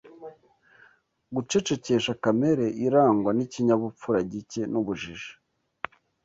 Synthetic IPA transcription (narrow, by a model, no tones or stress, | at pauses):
ɡut͡ʃe̞t͡ʃe̞ce̞ʃakame̞ɾe̞ʔiɾaːŋɡwaniciɲaβup͡fuɾaɟice̞nuβuʒiʒḁ